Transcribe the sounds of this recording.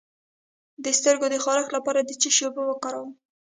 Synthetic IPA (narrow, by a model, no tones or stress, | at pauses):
d̪əst̪əɾɡod̪əxɑɾaxlapɑɾad̪ət͡ʃiʃobawəkɑɾawəm